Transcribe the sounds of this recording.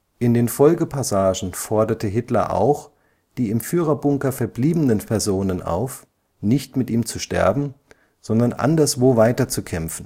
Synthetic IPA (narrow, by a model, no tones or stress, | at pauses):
ʔɪndeːnfɔlɡəpʰasaːʒn̩fɔɐdɐtəɦɪtlɐ̰ʔa̰ʊx | d̥iːɪmfyːʁ̞ɐbʊŋkɐfɛɐbliːbənənpʰɛɐzoːnənʔa̰ʊf | nɪçtmɪtʔiːmt͡suʃtɛ̰ɐbm̩ | z̥ɔndɐnʔa̰ndɐsv̥oːvaɪtɐt͡sukʰɛmfn̩